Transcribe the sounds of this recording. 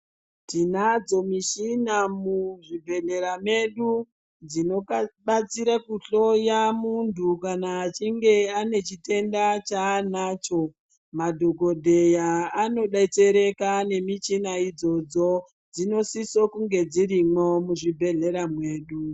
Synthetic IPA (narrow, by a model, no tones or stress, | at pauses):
tinad͡zo̞miʃinamuʐibʱe̞ɮe̞ɾame̞ɗu | d͡zino̞ɓat͡siɾakuɬo̞jamuntukanaːt͡ʃiŋɡe̞ane̞t͡ʃite̞ndat͡ʃanaːt͡ʃo̞ | madʱo̞ɡʱo̞dʱe̞jaːno̞ɗait͡se̞ɾe̞kane̞mit͡ʃinaid͡zo̞d͡zo | d͡zino̞sisokuŋɡe̞d͡ziɾimomuʐibʱe̞ɮe̞ɾamwe̞ːɗu